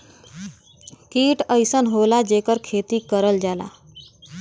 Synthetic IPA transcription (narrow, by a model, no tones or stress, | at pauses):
kiʈəjsənɦolad͡ʒekəɾkʰet̪ikəɾəld͡ʒala̰